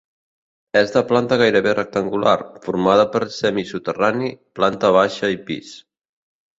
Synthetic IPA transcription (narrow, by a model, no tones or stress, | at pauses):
ɛzðəplant̪əɣajɾəβerək̚t̪əŋɡula̰rfuɾmað̞əpəɾsɛmisut̪əraniplant̪əβ̞aʃəipḭs